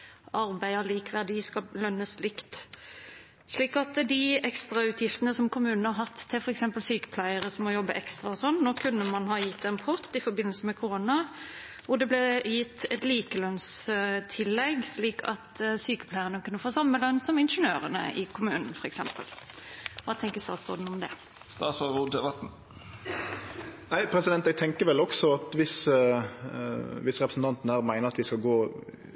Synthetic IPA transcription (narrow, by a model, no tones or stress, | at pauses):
ʔɑɾbæɪəliːkʋæd̪ɪskɑlœnːəslɪkt̪ | ʂliːkɑt̪d̪ɪɛkst̪ʁɑʉːt̪ʰjɪft̪ənəsɔmkʰʊmʉːnn̩hɑɾɦɑt̪ʰːɪlfɔɾɛksɛmpəlsyːkə̥pʰlæɪəɾəsɔmːɔjɔbːəʔɛkst̪ʁɑɔsɔnːnoːkʰʉnːəmɑnhɑːjɪt̪ːɛnpʰʊʁt̪ɪfɔɾbɪnəlsəmɛkʰʊʁonɑ | ʋʊd̪ɛblɛjɪt̪ːɛt̪liːkəlœnst̪ʰɪlːɛɡsliːkʰɑ̰t̪syːkə̥pʰlæɪənəkʰʉnːəfoːsɑmːəlœnsɔmɪnʂənøːɾənə̰ʔɪkʰʊmʉːnn̩fɔɾɛksɛmpə̰l | ʋɑːt̪ʰɛŋkəɾst̪ɑːt̪sʁo̰ːd̪n̩ɔmd̪ɛ̰ | st̪ɑːt̪sɔɾuːd̪ɛbɛt̪n̩ | næɪpʰɾɛsɪd̪ɛnt̪ɛɡ̚t̪ʰɛŋkəɾʋɛlɔksɔɑt̪ʋɪs | ʋɪsɾɛpɾəsn̩t̪ʰɑnt̪n̩æːɾmæɪnəɾɑt̪ʋɪskɑlɡoː